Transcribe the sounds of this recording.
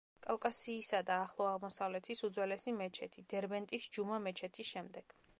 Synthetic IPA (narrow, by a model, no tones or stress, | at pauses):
kʼalˠkʼasiːsad̪aːχlˠɔaʁmɔsavlɛt̪ʰisud̪zwɛlɛsimɛt͡ʃʰɛt̪ʰid̪̥ɛɾbɛnt̪ʼisd͡ʒumamɛt͡ʃʰɛt̪ʰisʃɛmd̪ɛɡ̥